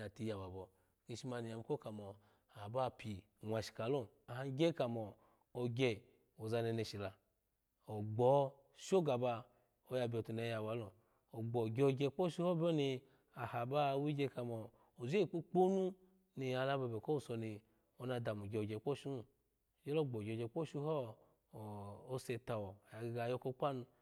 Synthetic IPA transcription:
a˨ti˧ja˨ba˨bɔ˨ | ki˧ʃi˧ma˧ni˨ja˨m˦ko˦ka˨mɔ˨ | a˨ba˦˨pʰi˨ | nʷa˨ʃi̥˨ka˨lo˦ | a˨ha˧˦ɡʲe˦ka˨mɔ˨ | o˧ɡʲe˧˨ | o˨za˧ne˧ne˧˨ʃi˨la˧ | o˨ɡ͡bɔ˨˦ | ʃo˦ɡa˨ba˧ | o˨ja˧bʲo˨tu˨ne˨˦ja˨ba˨˦lo˨ | o˨ɡ͡bɔ˨ɡʲe˧o˨ɡʲe˧˦k͡pɔ˦ʃu˦hɔ˦bo˦ni˧ | a˨ha˨ba˦wi˦ɡʲe˧ka˧mɔ˨ | o˨ze˦˨k͡po˦k͡po˦nu˦ | ni˧a˧la˧ba˧˨bɛ˨ko˦u˦˨sɔ˧ni˧ | o˧na˧da˨mu˨ɡʲe˨o˨ɡʲe˨˦k͡pɔ˦ʃu˦˨ | d͡ʒɛ˦lo˦˨ɡ͡bɔ˨ɡʲɡe˧˨˦k͡pɔ˦ʃu˧ɦɔ˦˨ | o˧se˧ta˨wɔ˨ja˨ɡɡa˧jɔ˧˦ko˦k͡pa˦nu˧

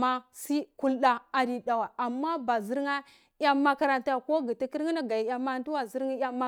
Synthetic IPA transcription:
ma˦si˦ku˦lɗa˨a˨di˨da˨wa˨a˨mːa˦ba˨zi˦ɾŋa˦ | ja˦mːa˦ka˦ɾa˨nta˨ko˦ɡi˨ta˦ki˦ɾi˦na˦ɡa˨ja˨ma˦n˦tu˦wa˨zi˦ɾŋa˦ja˦ma˦

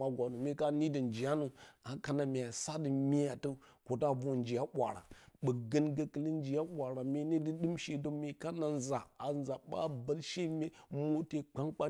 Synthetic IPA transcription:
a˦ɡʷa˨nu˨mi˦ka˦ni˦də˨nd͡ʒi˨ja˦nu˨a˨ka˦na˨mi˨ja˨sa˦dɨ˨mi˦ja˨tə˦ko˨ta˦bo˦˨nd͡ʒi˨ja˦ɓʷa̰˨ɾa̰˨ɓə˨ɡə˦nɡə˦kə˨li˦n˦d͡ʒi˨ja˦ɓʷa˨ɾa˨mʲi˦ni˦di˦ɗɨ˦mʃe˦do˦mi˨ka˦na˨nza˨a˨nza˨ɓa̰˦bə˨lʃe˦mʲe˦mo˦te˦k͡pa˦ŋk͡pa˦

